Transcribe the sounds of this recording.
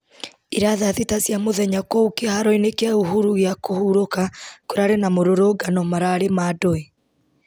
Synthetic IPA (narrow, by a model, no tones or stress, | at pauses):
iɾaðaðitasjamoðɛɲakɔukehaɾɔinekeauhuɾuɣeakohuɾokakoɾaɾenamoɾoɾoɡanɔmaɾaːɾemaːdoe